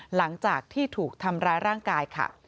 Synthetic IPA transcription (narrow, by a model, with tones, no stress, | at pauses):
la˩˦ŋt͡ɕaː˨˩k̚t̪ʰiː˥˩t̪ʰuː˨˩k̚t̪ʰa˧mɾaː˦˥jɾaː˥˩ŋkaː˧jkʰa̰˥˩